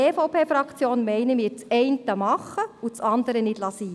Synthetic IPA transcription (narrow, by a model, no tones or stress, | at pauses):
efoʊpʰeːfɾɑkt͡sjoːnmɛɪnəmɪːɾt͡sɛɪntəmɑχəut͡sɑnd̪əɾənɪdlɑsiː